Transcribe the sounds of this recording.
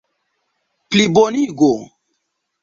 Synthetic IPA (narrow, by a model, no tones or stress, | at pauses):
pliboniɡo